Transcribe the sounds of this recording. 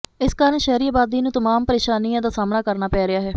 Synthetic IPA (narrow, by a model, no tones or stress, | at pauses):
ɪskaːɾəɳʃɛːɾiːaːbaːd̪iːnũːt̪əmaːmpəɾeːʃaːnijãːd̪aːsaːmnaːkəɾnaːpɛːɾɪaːɦɛː